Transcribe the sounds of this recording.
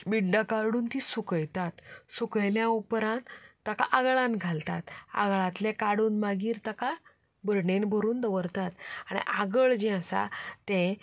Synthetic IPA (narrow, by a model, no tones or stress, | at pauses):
biɖɖakaɾɽuːnt̪isukəjt̪at̪sukəjljãupɾãnt̪aka̰ʔaɡɭãnɡʱalt̪a̰t̪a̰ɡɭãt̪lekaɽuːnmaɡiːɾt̪aka | bəɾɳenbʱəɾuːnd̪əʋəɾt̪at̪aɽ̃ḭʔaɡəɭd͡ʑɛ̃əsa̰t̪ẽ